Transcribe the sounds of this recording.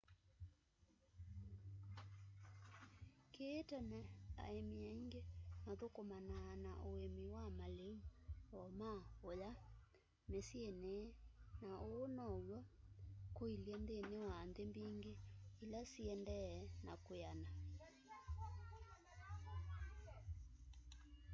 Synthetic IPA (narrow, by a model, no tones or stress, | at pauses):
keːtɛnɛa̰emiaiŋɡemaðokomananaʔoemiwamaleuɔmaoja | mesienenaʔoːnɔwɔkoiljɛndenewandembiŋɡeilasiɛndɛnakojana